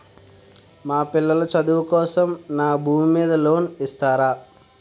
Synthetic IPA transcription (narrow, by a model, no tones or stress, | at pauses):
maːpilːɐlɐt͡ʃɐd̪uʋɐkɔːsɐmnaːbʱuːmimiːd̪ɐloːnist̪aːɾaː